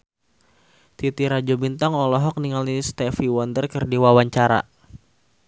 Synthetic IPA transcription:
t̪it̪iɾad͡ʒɔbint̪aŋɔlɔɦɔk̚niŋalist̪ɛfiwɔndərkərdiwawaɲt͡ʃaɾa̰

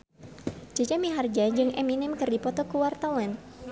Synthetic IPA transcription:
d͡ʒad͡ʒamiɦard͡ʒad͡ʒɨŋʔɛminɪmkɨrdipɔt̪ɔkuwart̪awan

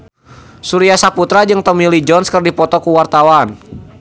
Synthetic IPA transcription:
suɾiasaput̪ɾad͡ʒɨŋt̪ɔmilid͡ʒɔnskərdipɔt̪ɔkuwart̪awan

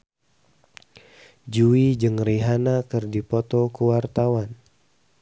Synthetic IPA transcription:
d͡ʒuid͡ʒɨŋriɦanakɨrdipɔt̪ɔkəwart̪awan

